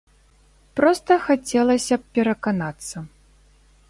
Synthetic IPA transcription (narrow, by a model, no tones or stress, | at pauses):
pɾɔst̪ɐxat͡sʲɛlˠɐsʲɐppʲɛɾɐkanat̪sːɐ